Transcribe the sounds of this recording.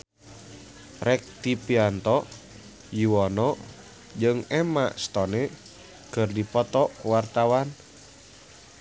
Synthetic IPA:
rɛk̚t̪ipiant̪ɔ | juwɔnɔ | d͡ʒɨŋɛma̰st̪ɔnɛ | kɨrdipɔt̪ɔwart̪awan

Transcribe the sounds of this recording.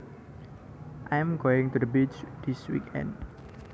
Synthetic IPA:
ʔajmɡoɪŋt̪ud̪əbid͡ʒd̪̥iswḭkʰɛ̰̃nd

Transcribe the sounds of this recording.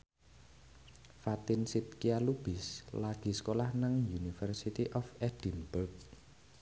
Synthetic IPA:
fat̪ɪnsit̪̚kialub̥ɪslaɡ̥i̤sə̥kolahnaŋjunifɛrsit̪iʔɔfɛd̥inbʊrk̚

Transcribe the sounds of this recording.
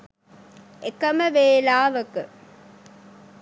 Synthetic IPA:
ʔekɐmɐʋeːlaːʋɐkɨ

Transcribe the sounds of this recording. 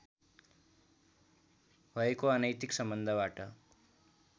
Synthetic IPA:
ɦəekoanəjt̪iksəmbənd̪ʱəʋaʈə

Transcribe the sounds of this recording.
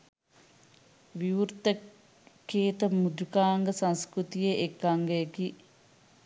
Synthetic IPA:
ʋiʋuɾt̪ə | keːt̪əmud̪ukaːŋɡəsɐ̃nskɾut̪ijeʔekːaŋɡejeki

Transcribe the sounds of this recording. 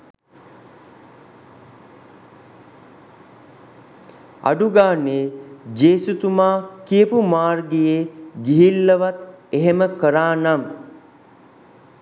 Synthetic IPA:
a̰ɖuɡaːned͡ʒeːsut̪umaːkijəpumaːrɡejeːɡiɦilːəʋat̪eɦeməkəɾaːnam

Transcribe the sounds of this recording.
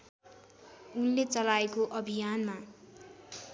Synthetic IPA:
unlet͡sʌlaekoʔʌbʱijanma

